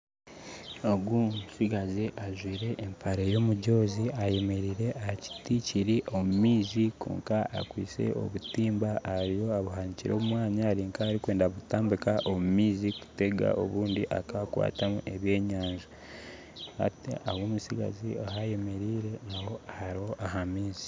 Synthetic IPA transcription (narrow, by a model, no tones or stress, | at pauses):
oɡwumusiɡaziʔaʒwiːɾe̞ʔːmpʰaɾejo̞muɟo̞ːziaje̞me̞ɾiːɾe̞ʔahci̥ticiɾiʔo̞mumiːziko̰ːŋkaa̰kwḭːse̞̰o̞̰βutiːmbaaɾijo̞aβuɦaɲiciɾo̞ːβumwaːɲaːɾiːŋkaːɾikwe̞ːndaβutaːmbikaʔomumiːziku̥te̞ɡa̰ʔo̞̰βuːndiʔakaβakwa̰ːtamuʔe̞βje̞ːɲaːɲʒu | ha̰tḛʔawoːmusiɡa̰ziaɦaje̞me̞ɾiːɾe̞naho̞ahaɾiho̞ʔaɦamiːzi̥